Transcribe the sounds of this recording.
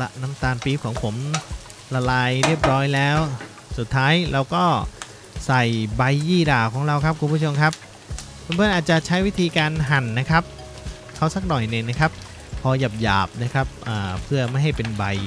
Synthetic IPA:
la˦˧na˦˥mt̪aː˧npiː˦˥kʰɔː˩˦ŋpʰo˩˦m | la˧laː˧jɾi˥˩əp̚ɾɔː˦˥jlɛː˦˥w | su˨˩t̪ʰːaː˦˥jlʔɛː˦˥wkɔː˥˩ | sa˨˩jba˧jːiː˥˩daː˨˩kʰɔː˩˦ŋɾa˧wkʰa˦˥p̚kʰu˧npʰu˧˥˩t͡ɕʰo˧mkʰa˦˥p̚ʰ | ɯ˧˩˦mpʰɤ˧nʔaː˨˩t̪̚t͡ɕa˨˩t͡ɕʰa˦˥jwi˦˥t̪ʰiː˧kaː˧nɦa˨˩nːa˦˥kʰa˦˥p̚ | kʰa˦˥˩wsa˧˩k̚nɔ˨˩jnɯ˧˩na˦˥kʰa˦˥p̚ʰː | ɔː˧ja˨˩p̚ja̰ː˨˩p̚na˦˥kʰa˦˥p̚ʔaː˨˩pʰɯ˥˩ɐma˥˩jɦa˥˩jpe˧nba˧j

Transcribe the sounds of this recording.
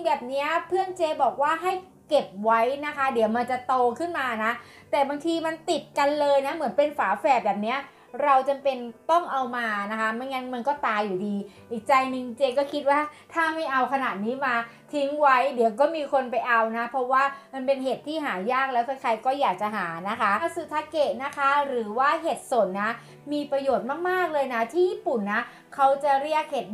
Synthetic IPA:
i˧ŋbɛː˨˩p̚ni˦˥ɐpʰɯ˥˩əŋt͡ɕeː˧bɔː˨˩k̚waː˥˩ɦa˥˩j | ke˨˩p̚wa˦˥jna˦˥kʰa˦˥di˨˩˦wma˧nt͡ɕa˨˩t̪oː˧kʰɯ˥˩nmaː˧na˦˥ | t̪ɛː˨˩baː˧ŋt̪ʰiː˧ma˧nt̪i˨˩t̪̚ka˧nlɤː˧jna˦˥mɯ˨˩˦npe˧nfaː˩˦fɛː˨˩bɛː˨˩p̚ni˦˥ɐ | ɾa˧wt͡ɕa˧mpe˧nt̪ɔ˥˩ŋʔa˧wmaː˧na˦˥kʰa˦˥ma˧˥nŋa˦˥nma˧nkɔː˥˩t̪aː˧jːuː˨˩diː˧ʔiː˨˩k̚t͡ɕa˧jnɯ˧ŋt͡ɕeː˧kɔː˥˩kʰi˦˥waː˥˩t̪ʰaː˥˩ma˥˩jʔa˧wkʰa˧na˨˩t̪̚niː˦˥maː˧ | t̪ʰi˦˥ŋwa˦˥jdi˨˩˦wkɔː˥˩miː˧kʰo˧npa˧jʔa˧wna˦˥pʰɔ˦˥waː˥˩ma˧npe˧nɦeː˨˩t̪ʰːiː˥˩ɦaː˩˦jaː˥˩k̚lɛː˦˥t̪kʰa˥˩kʰa˧jkɔː˥˩jaː˨˩k̚t͡ɕa˨˩ɦaː˩˦na˦˥kʰa˦˥sɯː˧˩t̪ʰa˦˥ke˨˩t̪̚na˦˥kʰa˦˥ɾɯː˩˦waː˥˩ɦeː˨˩t̪̚so˨˩nːa˦˥ | miː˧pɾa˧joː˨˩t̪̚maː˥˩k̚maː˥˩k̚lɤː˧jna˦˥t̪ʰiː˥˩jiː˥˩pu˨˩nːa˦˥ | kʰa˦˥wt͡ɕa˨˩ɾi˥˩ək̚heː˨˩

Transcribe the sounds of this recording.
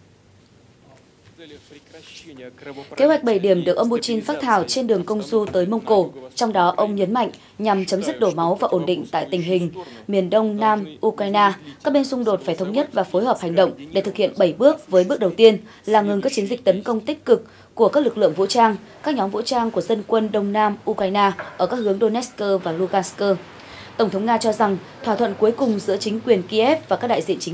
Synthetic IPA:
ke˨˦ɦwa˨˩k̟̚ɓə˧˩jɗi˧˩əmɗɨ˨˩ək̚ʔə˧wŋ͡mpu˧t͡ɕi˧nfaː˦˥t̚t̪ʰaː˧˩wt͡ɕe˧nɗɨ˨˩əŋkə˧wŋ͡mzu˧t̪əː˨˦jmə˧wŋ͡mko˧˩t͡ɕɔ˧wŋ͡mɗɔ˨˦ʔə˧wŋ͡mɲə˨˦nma̰˧˨jŋ̟ | ɲa˨˩mt͡ɕə˨˦mzɨ˦˥t̚ɗo˧˩ma˨˦wvaː˨˩ʔo˧˩nɗḭ̈˧˨ŋ̟t̪a̰ː˧˨jt̪ï˨˩ŋ̟ɦï˨˩ŋ̟mi˨˩ənɗə˧wŋ͡mnaː˧mʔu˧kaː˧jnaː˧kaː˦˥k̚ɓe˧nsʊ˧ŋ͡mɗo˨˩t̚faː˧˩jt̪ʰə˨˦wŋ͡mɲə˦˥t̚vaː˨˩fo˨˦jhəː˨˩p̚ha˨˩ŋ̟ɗə̰˧˨wŋ͡mɗe˧˩t̪ʰɨ˨˩k̚hḭ˧˨ənɓə˧˩jɓɨ˦˥ək̚vəː˨˦jɓɨ˦˥ək̚ɗə˨˩wt̪i˧ən | laː˨˩ŋɨ˨˩ŋkaː˦˥k̚t͡ɕi˨˦nzï˨˩k̚t̪ə˨˦nkə˧wŋ͡mt̪ï˦˥k̟̚kɨ˨˩kː | u˧˩əkaː˦˥k̚lɨ˨˩k̚lɨ̰˧əŋv̰t͡ɕaː˧ŋ | kaː˦˥k̚ɲɔ˨˦mvṵ˧˥t͡ɕaː˧ŋku˧˩əzə˧nkwə˧nɗə˧wŋ͡mnaː˧mʔu˧ka˧jnaː˧ʔəː˧˩kaː˦˥khəŋɗo˧nɛ˦˥skəː˧vaː˨˩lu˧ɣaː˧nskəː˧ | t̪ə˧˩wŋ͡mt̪ʰə˨˦wŋ͡mŋaː˧t͡ɕɔ˧za˨˩ŋt̪ʰwaː˧˩t̪ʰwə̰˧˨nku˨˦əjkʊ˨˩ŋ͡mzɨ̰˧˥ət͡ɕï˨˦ŋ̟kwi˨˩ənki˧ʔɛ˦˥p̚vaː˨˩kaː˦˥k̚ɗ̰ːjzḭ˧˨ənt͡ɕï˨˦

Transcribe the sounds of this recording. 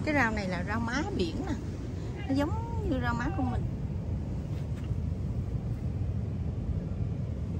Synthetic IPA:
kaː˨˦jzaː˧wna˨˩jlaː˨˩zaː˧wmaː˨˦ɓi˧˩˨ənaː˨˩ | nɔ˨˦zə˨˦wŋ͡mɲɨ˧zaː˧wmaː˨˦˥ku˧mi˨˩ŋ

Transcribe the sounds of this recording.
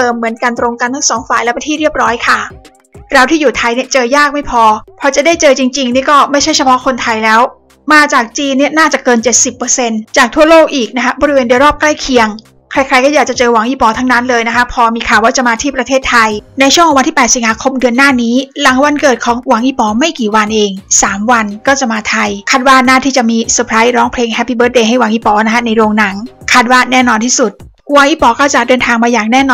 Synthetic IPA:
t̪ɤː˧mːɯ˩˦ənka˧nt̪ɾo˧ŋka˧nt̪ʰːsɔː˩˦ŋfaː˨˩jlɛ˦˥pa˧nt̪ʰiː˥˩ɾi˥˩əp̚ɾɔː˦˥jkʰa˥˩ | ɾa˧wt̪ʰiː˥˩juː˨˩t̪ʰa˧jni˥˩t͡ɕɤː˧jaː˥˩k̚ma˥˩jpʰɔː˧pʰɔː˧t͡ɕa˨˩daː˥˩jt͡ɕɤː˧t͡ɕi˧ŋt͡ɕi˧ŋniː˦˥˩kɔː˥˩ma˥˩jt͡ɕʰa˥˩jt͡ɕʰa˧pʰɔ˦˥kʰo˧nt̪ʰa˧jlɛː˦˥w | maː˧t͡ɕaː˨˩k̚t͡ɕiː˧nːi˥˩ənaː˥˩t͡ɕa˨˩kɤː˧nt͡ɕe˨˩t̪̚si˨˩pːɤː˧se˧nt͡ɕaː˨˩k̚t̪ʰu˥˩ɐloː˥˩k̚ʔiː˨˩k̚na˦˥kʰa˦˥bɔː˧ɾi˦˥weː˧ndu˧˩əjɾɔː˥˩p̚kla˥˩jkʰi˧əŋ | kʰɾa˧˥jkʰɾa˧jkɔː˥˩jaː˨˩k̚t͡ɕa˨˩t͡ɕɤː˧wa˨˩˦ŋʔiː˧˩pɔː˧t̪ʰa˦˥ŋna˦˥nlɤː˧jna˦˥kʰa˦˥pʰɔː˧miː˧kʰaː˨˩waː˥˩t͡ɕa˨˩maː˧t̪ʰiː˥˩pɾa˧t̪ʰeː˥˩t̪ʰːa˧jna˧jt͡ɕʰu˥˩ŋʰkʰːwa˧t̪ʰiː˥˩pɛː˨t̪̚si˩˦ŋhaː˧kʰo˧mdɯ˧ənːaː˥˩niː˦˥la˩˦ŋwa˧nkɤː˨˩t̪̚kʰɔː˩˦ŋwaː˨˩˦ŋʔiː˧˥˩pɔː˩˦ma˥˩jkiː˨˩wa˧nʔeː˧ŋsaː˩˦mwa˧nkɔː˥˩t͡ɕa˨˩maː˧t̪ʰa˧jkʰaː˥˩t̪̚waː˥˩naː˥˩t̪ʰiː˥˩t͡ɕa˨˩miː˧su˨˧˩pʰɾaː˦˥jɾɔː˦˥ŋpʰleː˧ŋhɛ˦˥pːiː˧˩bɤː˦˥t̚ʔeː˧ɦa˥˩jwa˨˩˦ŋʔiː˧˩pɔː˨˧˦na˦˥kʰa˦˥na˧jɾoː˧ŋna˩˦ŋkʰaː˥˩t̪̚waː˥˩nɛː˥˩nɔː˧nt̪ʰiː˥˩su˨˩t̪̚ | wa˨˦ŋʔiː˧˥˩pɔː˩˦kɔː˥˩t͡ɕa˨˩dɤː˧nt̪ʰaː˧ŋmaː˧jaː˨˩k̚nɛː˥˩nɔː˧

